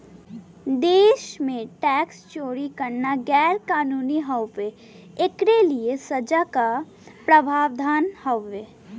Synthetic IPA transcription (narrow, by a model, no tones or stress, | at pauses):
d̪eːʃmẽʈɛːkst͡ʃoːɾikəɾnaɡɛːɾkaːnuːniɦəwpe | ekɾeliesɐd͡ʒaka | pɾəbʱaːʋd̪ʱaːnhəwːeː